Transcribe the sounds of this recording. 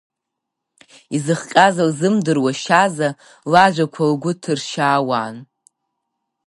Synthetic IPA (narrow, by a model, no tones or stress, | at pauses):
izɨχqʲʼazalzɨmdɨrwaʃaza | laʒʷakʷʰalɡʷʊtʰɨrʃaːwaːn